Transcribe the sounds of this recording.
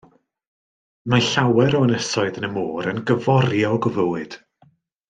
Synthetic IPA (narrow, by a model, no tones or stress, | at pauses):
majɬawɛɾɔənəsɔɨðənəmoːɾənɡəvɔɾrjɔɡəvəwɨd̥